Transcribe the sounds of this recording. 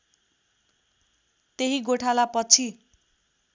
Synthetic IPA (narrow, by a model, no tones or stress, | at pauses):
t̪eɦiɡoʈʰalapʌt͡sʰi